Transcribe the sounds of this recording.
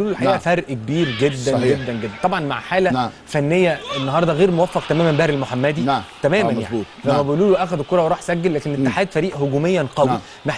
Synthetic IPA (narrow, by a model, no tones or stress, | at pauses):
luːlolħaʔæːʔfæɾˤʔikebiːɾɡed̪ːæɡed̪ːænɡed̪ːænt̪ˤɑbʕɑnma̰ʕħaːlæfænːejːæenːɑɦɑːɾˤd̪ˤɑɣeːɾmowæfːɑqt̪æmæːmæmbæhɾelmoħamːæd̪it̪æmæːmænjaait̪læmːæbeʔluːloʔæxæd̪koɾˤɑweɾˤɑːħsæɡːelːæːkenet̪ːeħaːd̪fæɾiːʔhoɡuːmejːænqɑwi | meħ